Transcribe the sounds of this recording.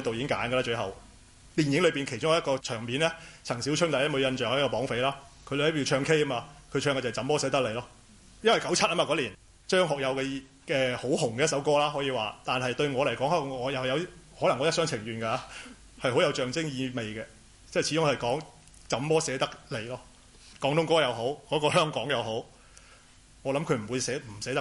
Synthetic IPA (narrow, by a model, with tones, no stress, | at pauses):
t̪wji˨˥ɪ˥ŋka̰ː˨˥nɡə˧laː˥t͡ʃɵ˧ɥɦɐ˨w | t̪iː˨njɪ˨˥ŋlɵ˨˧ɥpi˨nkʰe˨˩jt͡ɕʊ˥ŋa˨˧jkɔː˧t͡ʃʰœː˨˩ŋmiː˨nlɛː˥t͡sʰɐ˨˩ŋsiː˨˥wt͡ʃʰɵ˥ŋt̪ɐ˨˥jɐ˥mo˨˧ɥjɐ˧nt͡ʃœː˨ŋhkɔː˧pɔː˨˥ŋfe˨˧jlaː˥kʰɵ˧˨hpiː˧t͡ʃʰœː˧ŋkʰe˥jɐ˥maː˧kʰɵ˨˧ɥt͡ʃʰœː˧ŋɡɛ˧˩ɐ˨t͡sɐ˨˥mpɔː˥sɛː˨˧˥t̪ɐ˥k̚le˨˩jlɔː˥ | jɐ˥nwɐ˨˩jkɐ˨˥wt͡sʰɐ˥t̚ʔaː˥mːa˨˧kɔː˨˥liː˨˩n | t͡ʃœː˥ŋɦɔː˨k̚jɐ˨˧wkɛ˧ | kɛː˧ho˨˥hʊ˨˩ŋkɛ˧˥tsɐ˨˥wkɔː˥˧laː˥ɦɔː˨˥jiː˨˧waː˨˩t̪aː˨nhɐ˨jt̪ɵ˧ɥŋɔː˨˧le˨˩jkɔː˨˥ŋhɐː˥˨ŋɔː˨˧jɐ˨wjɐ˨˧whɔː˨˥lɐ˨˩ŋɔː˨˧˥jɐ˥tsœː˥ŋt͡sʰɪ˨˩ŋjyː˨nkaː˧ | hɐ˨jho˨˥jɐ˨˧wt͡ʃœː˨ŋt͡sɪ˥ŋjiː˨˧me˨jkɛ˧ | t͡sɛː˥˩jt͡ɕʰiː˨˧˥ʊ˥ŋhɐ˨jkɔː˨˥ŋ | t͡sɐ˨˥mpɔː˥sɛː˨˧˥t̪ɐ˥k̚le˨˩jlɔː˥ | kɔː˨˥ŋt̪ʊ˥ŋkɔː˥jɐ˨˧wɦo˨˥wkɔː˨˥kɔː˧hœː˥ŋkɔː˨˥ŋjɐ˨˧wɦo˨˥w | ŋɔː˨˧lɐ˨˥mkʰɵ˨˧ɥm̩˨˩wuː˨˧sɛː˨˥m̩˨˩sɛː˨˥t̪ɐ˥